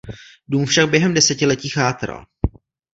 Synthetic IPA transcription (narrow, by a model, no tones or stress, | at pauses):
duːmfʃaɡ̚bjɛɦɛmdɛsɛcɪlɛciːxaːt̪ɾa̰l